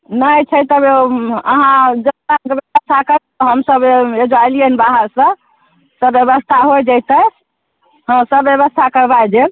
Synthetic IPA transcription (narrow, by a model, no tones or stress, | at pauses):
nəjt͡ʃʰəjt̪əbeəɦãd͡ʒəaɡbjebəst̪ʰakəɾt̪ɔɦəmsəbed͡ʒajliənbaɦəɾsə̃ | səbjebəst̪ʰaɦojd͡ʒəjt̪ə | ɦə̃msəbjeβəst̪ʰakəɾbajd͡ʒe